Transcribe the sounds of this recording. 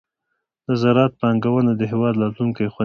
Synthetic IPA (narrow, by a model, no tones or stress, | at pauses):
d̪̥əzaɾɑt̪̚pəaŋɡawənad̪əɦɪwɑd̪lɑtluŋkajxwa